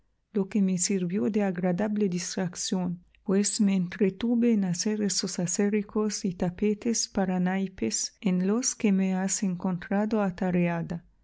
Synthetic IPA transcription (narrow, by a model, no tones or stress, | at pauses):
lokemesiɾbjod̪eaɡɾad̪abled̪ist̪ɾaksjon | pwesmeːnt̪ɾet̪ubenaseɾesosaseɾikosit̪apet̪espaɾanajpesenloskemeaseŋkont̪ɾad̪oat̪aɾead̪a